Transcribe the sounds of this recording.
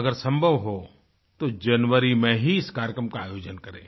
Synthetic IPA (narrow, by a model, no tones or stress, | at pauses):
ɐɡəɾsɐ̃mbʱəʋɦo | t̪od͡ʒɐnʋəɾimẽɦiɪskaːɾjkɾəmkaaːjoːd͡ʒənkɐɾḛ̃ː